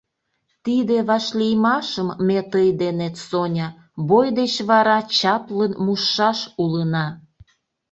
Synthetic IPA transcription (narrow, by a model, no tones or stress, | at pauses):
t̪id̪eβɑʃlʲijmɑʃəmːet̪əjd̪enet̪sonʲɑ | bojd̪et͡ɕβɑɾɑt͡ɕɑplənmuʃːɑʃulənɑ